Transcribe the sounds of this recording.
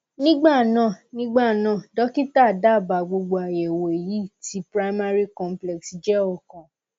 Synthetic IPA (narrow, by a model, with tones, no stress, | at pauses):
nĩ˦ɡ͡ba˦˨nã˨nĩ˦ɡ͡ba˦˨nã˨dɔ˦ki˦ta˦˨da˦˨ba˨ɡ͡bo˧ɡ͡bo˧a˨jɛ˨wo˨e˨ji˨˦ti˦pɾa˦i˦ma˦ɾi˦kɔ̃˧mplɛ˨ksi˨d͡ʒɛ˦ɔ˦˨kã˨